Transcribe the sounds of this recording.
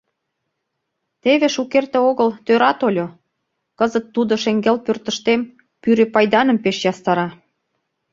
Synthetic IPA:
t̪eβĕʃukert̪ĕoɣəlt̪øɾɑt̪olʲo | kɤzət̪ːud̪oʃeŋɡelpørt̪ə̆ʃt̪em | pyɾepɑjd̪ɑnə̆mpeʃjɑst̪ɑɾɑ

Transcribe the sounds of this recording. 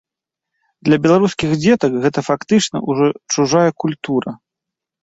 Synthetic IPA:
d̪lʲɐbʲɛlˠaɾuskʲiɣd͡zʲɛt̪ɐkɣɛt̪ɐfakt̪ɨt͡ʂnɐ̰uʐɔt͡ʂuʐajɐkulʲt̪uɾɐ

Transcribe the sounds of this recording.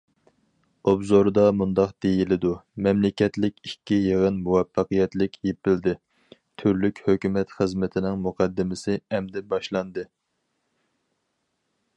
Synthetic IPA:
obzoɾd̪ɑmund̪ɑqd̪̥ejilɪd̪umɛmlɪkʲɛt̪lɪkʲikʲːijeʁənmuwɛfːɑqɨjɛt̪lɪkʲjepɪld̪ɪ | t̪ʰyɾlykʲhøkʲymɛt̪χəzmɪt̪ʰɪnɪŋmuqʰɑd̪ːɪmɪsɪɛmd̪ɛbɑʃlˠɑnd̪ɨ

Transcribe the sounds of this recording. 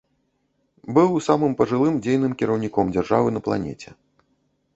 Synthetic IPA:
bɨwsamɨmpɐʐɨlˠɨmd͡zʲejnɨmkʲiɾɐwnʲikɔmd͡zʲarʐavɨnɐplˠa̰nʲɛ̰t͡sʲɛ

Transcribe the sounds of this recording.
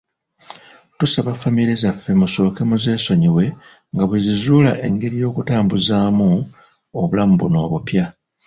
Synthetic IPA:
tusaβafamiɾezafːe̞muso̞ːke̞muze̞ːso̞ɲiwe̞ | ŋɡaβwezizuːla̰ʔe̞ŋɡe̞ɾijo̞ːkutaːmbuzaːmu | oβulamubṵno̞ːβupja

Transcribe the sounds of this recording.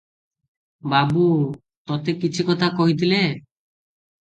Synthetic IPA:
babu | t̪ɔt̪ekit͡ʃʰikɔt̪ʰakɔɦit̪ʰile

